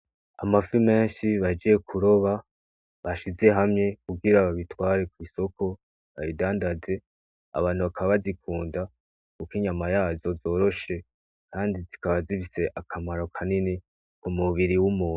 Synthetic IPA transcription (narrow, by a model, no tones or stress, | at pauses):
a̰mafime̞ːnʃiβad͡ʒije̞kʰuɾo̞βa | βaʃize̞ɦamɲe̞kuɡiɾaβaβitwaːɾe̞kwiːso̞kʰo̞ | βaβidaːndaze̞ | a̰βaːn̥huβakʰaβaβazikʰuːnda | kukiɲamajaːzo̞zo̞ːɾo̞ʃe̞ | kaːndizikaβazifise̞ʔakʰamaɾo̞kʰanini | kumuβiɾiwumuːn